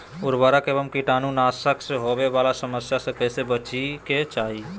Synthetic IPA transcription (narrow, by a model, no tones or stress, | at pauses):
ʊɾbaɾakeːbəmkiʈanunasəkseɦobebalasəməsjasə̃kəjsebət͡ʃiket͡ʃaːɦi